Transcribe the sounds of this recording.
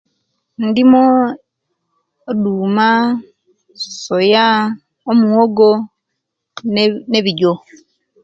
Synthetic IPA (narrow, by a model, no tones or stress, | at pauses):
ndimo | duːma | soja | omuoɡo | neβiɟo